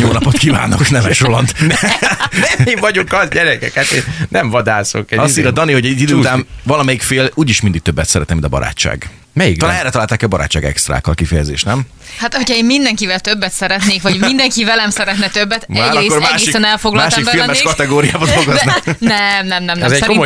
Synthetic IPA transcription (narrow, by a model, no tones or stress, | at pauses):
ɲoːlnɒpot̪kiva̰ːno̰knɛvɛʃrolɒnt̪ | nɛivɒɟoŋkɒzɟɛɾɛkɛkat̪ennɛɱvɒd̪aːso̰kɛɒsiːɾɒd̪ɒniho̞ɟɛɟid̪øːut̪aːnvɒlɒmɛjikfeːluːɟiʃmind̪iɡ̥̚t̪øbːɛt̪sɛɾɛ̰t̪nɛmint̪ɒbɒ̰ɾa̰ːt͡ʃːa̰ːɡ | mɛjik̪ɒlaːnɛrɾɛt̪ɒlaːlt̪aːkɛɒbɒɾa̰ːt͡ʃːaːɡɛ̰kst̪ra̰ːkːɒlkifɛjɛzḛːʃtnɛm | hat̪hocʰɒeːmmind̪ɛŋkivɛlt̪ø̞bːɛt̪sɛɾɛt̪neːkʋɒɟmind̪ɛŋkivɛlɛmsɛɾɛt̪nɛt̪øbːɛt̪maːɾɒeːkoɾmaːʃɡeːisɛnɛlfo̞ɡlɒmalːʃibfilmɛʃkɒt̪ɛɡoːɾija̰ːbɒd̪oɡozknɛmnɛmnɛmnɛzɛo